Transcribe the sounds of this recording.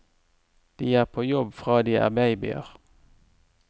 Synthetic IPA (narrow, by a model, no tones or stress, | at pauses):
d̪̥iːæːʁpʰoːjɔbfʁɑːd̪iːʔɑ̰ʁbæɪbɪ̰ə̰ʁ